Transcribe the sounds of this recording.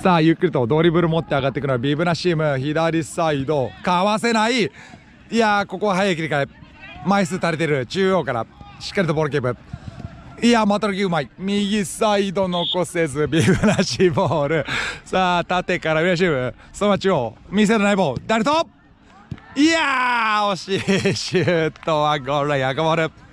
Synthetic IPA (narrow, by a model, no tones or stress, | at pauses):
saːjɯkʲːiɾʲit̪o̞d̪o̞ːɾʲibɯ̟ɾɯmo̞t̪ːe̞aɡat̪ːe̞kɯnoabʲibɯ̟naɕiːmɯ̟çid̪aɾʲisaid̪o̞kaβase̞nai | iako̞ko̞βaɦajaik̬ʲiɾikae | maisɨt̪aɾet̪e̞ɾɯ̟t͡ɕɨːjo̞ːkaɾa̰ɕi̥kːaɾʲit̪o̞boɾok̬ebɯ̟ | iamat̪oɾakʲiɯ̟maimʲiɡʲisaid̪o̞no̞kose̞zɨbʲiɡɯnaɕiboːɾɯ̟saːt̪at̪e̞kaɾaɯ̟ɾeɕ̬iɯ | somat͡ɕiomʲis̬eɾanaibo̞ːd̪aɾet̪o | iaoɕiɕɯt̪oβaɡoɾaiakabaɾɯ̟